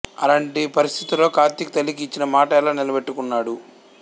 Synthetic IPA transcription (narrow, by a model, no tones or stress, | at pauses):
ɐ̰laːɳʈipɐɾist̪ʰit̪uloːkaːɾt̪ːikit̪ɐlːikːt͡ʃːinɐmaːʈɛːlaːnilɐbeʈːukunːaːɽu